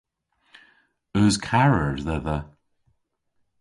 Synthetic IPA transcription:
ɵzkʰaɹəɹðɛðə

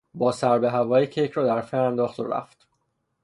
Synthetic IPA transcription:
bɒːsæɾbeɦævɒːjicʰejcʰɾɒːd̪æɾfeɾænd̪ɒːχt̪o̰ɾæ̰ft̪

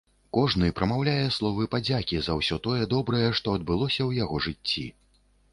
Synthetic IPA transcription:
kɔʐnɨpɾʔɐmawlʲajɛslˠɔvɨpad͡zʲakʲizɐwsʲɔt̪ɔjɛd̪ɔbɾɐjɛʂt̪ɔɐd̪̚bɨlˠɔsʲɐwjaɣɔʐɨt͡sʲːḭ

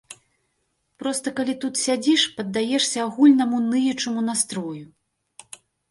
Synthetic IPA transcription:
pɾɔst̪ɐkalʲit̪ut̪sʲad͡zʲiʂpɐd̪ːajɛʂsʲɐaɣulʲnɐmunɨjɛt͡ʂɐmunast̪ɾɔju

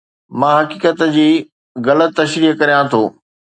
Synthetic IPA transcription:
mãːɦɐkiːkət̪d͡ʑiː | ɣɐlət̪ːɐʃɾiːɦkɐɾijãt̪ʰoː

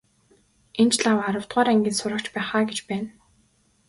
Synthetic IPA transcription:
ent͡ɕɮawaɾə̆w̥t̪ʁaːɾæŋɡʲĭːt̪sʊɾə̆kt͡ɕpæːχaːɡet͡ɕpæːn

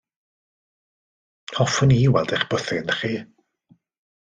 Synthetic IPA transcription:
hɔfʊniwɛlˠdɛχb̥əθɪnχiː

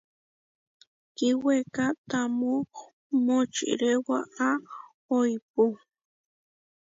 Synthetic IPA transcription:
kiwekat̪amu | mot͡ʃḭɾewaa | ojpu

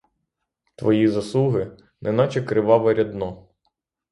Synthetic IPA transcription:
t̪ʋɔjizɐslˠuɦɪ | nʔɛ̰nɑt͡ʃɛkɾɪʋɑʋɐɾʲɐd̪nɔ

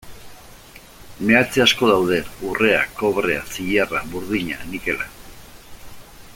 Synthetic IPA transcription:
me̞at͡seasko̞ðawð̞e̞ure̞a̰ko̞βɾe̞a̰siʎaraβuɾðiɲa̰nike̞la̰

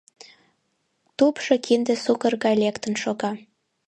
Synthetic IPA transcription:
t̪upʃokʰind̪ĕsukərɣɑjlekt̪ənʃoɣɑ

